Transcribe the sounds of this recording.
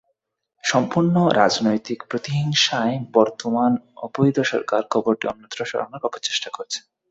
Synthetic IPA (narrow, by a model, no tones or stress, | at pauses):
ʃɔmpuɾnoɾʔad͡ʑnojt̪ikpɾot̪iɦiŋʃaebɔɾt̪omanɔbojd̪ʱoʃɔ̰ɾkaɾkʰɔboɾʈiɔ̰nːõnt̪ːɾoʃɔ̰ɾo̰noɾɔpot͡ɕe̥ʃʈakoɾt͡ɕʰe̥